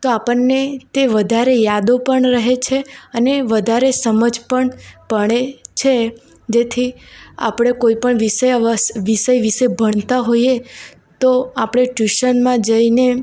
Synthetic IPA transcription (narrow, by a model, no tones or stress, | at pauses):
t̪oapəɾːet̪eʋəd̪ʱaɾejad̪opəɳɾəɦet͡ʃʰeəneʋəd̪ʱaɾesəməd͡ʒpəɳpəɽ̃et͡ʃʰe | d͡ʒet̪ʰi | a̰pɽ̃ekoipəɳʋisəjəsʋiʃəjʋiʃebʱəɳ̃t̪aɦoie | t̪oapɽ̃eʈjuʃənmãd͡ʒəine